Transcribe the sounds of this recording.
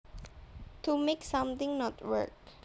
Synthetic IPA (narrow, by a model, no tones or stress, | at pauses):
tʰumeksãmt̪ɪ̃ŋnɔtwə̰k̚